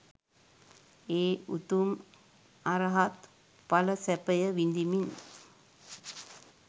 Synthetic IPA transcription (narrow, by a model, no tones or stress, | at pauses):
eːut̪um | aɾəɦat̪ | paləsɛpəjəʋind̪imin